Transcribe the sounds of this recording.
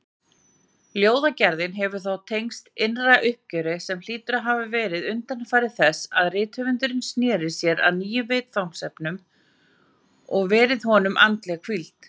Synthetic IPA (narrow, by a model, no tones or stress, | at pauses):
ljoːwðacɛɾðɪnɦɛvʏɾ̥θawt̪ʰejŋst̪ɪnraʔʏhp̚cœɾɪsɛml̥iːt̪ʏɾaɦaːvɪvɛːɾɪðʏnt̪anfaːjɾɪðθɛsaðrɪːt̪hœvʏnt̪ʏɾɪnsnjɛːɾɪsjɛɾa̰ðniːjʏveːjt̪fawŋ̥sɛpnʏm | ɔɣvɛːɾɪðɦɔnʏmʔa̰nt̪lɛɣakʰvilt̪